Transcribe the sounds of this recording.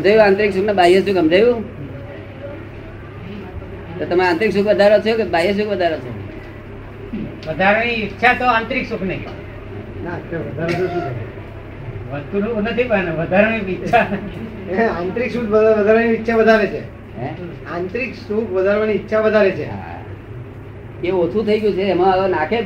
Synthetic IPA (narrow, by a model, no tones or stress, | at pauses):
əd͡ʒajũãnt̪ɾiksuknebajəsukəmd͡ʒajũ | t̪ot̪əmaɾãnt̪ɾiksukʰʋəd̪ʱaɾot͡ʃʰekebajes̬ukʋəd̪ʱaɾot͡ʃʰo̰ | ʋəd̪ʱaɾñiːtːʃʰat̪oãnt̪ɾiksukʰnei | nat̪ʋəd̪ʱaɾsusut͡ʃ | ʋəst̪unuknət̪ʰipəneʋəd̪ʱaɾɽ̃ipːt͡ʃʰa | ãnt̪ɾiksukʰbəaʋəd̪ʱaɾʋaniːtːʃʰabəd̪ʱaʋet͡ʃʰe | ɦɛ | ãnt̪ɾiksukʰʋəd̪ʱaɾʋaniːtːʃʰabəd̪ʱaʋet͡ʃʰḛɦ | keot͡ʃʰut̪ʰəiɡjũt͡ʃʰeːmãaɡonakʰe